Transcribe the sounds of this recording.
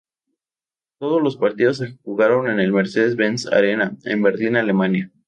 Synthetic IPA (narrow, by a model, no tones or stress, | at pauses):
t̪o̞ð̞ozlo̞spaɾt̪ið̞o̞s̬exuɣaɾo̞ne̞ne̞lme̞ɾse̞ðezβensa̰ɾe̞naḛmbe̞ɾlinale̞mãnja